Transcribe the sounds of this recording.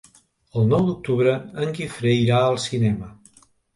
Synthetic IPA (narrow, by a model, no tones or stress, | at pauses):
əlˠnɔwd̪uk̚t̪uβɾəəŋkifɾəjɾaəlˠsinɛmə